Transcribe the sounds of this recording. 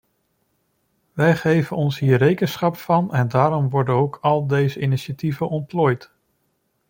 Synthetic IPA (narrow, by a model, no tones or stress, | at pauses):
ʋɛjχejvənɔnsɦiːrejkənsχɑpfɑnɛndaːɾɔmʋɔɹdənowkɑlˠdejzəɪniʃativənʔɔnplɔːjt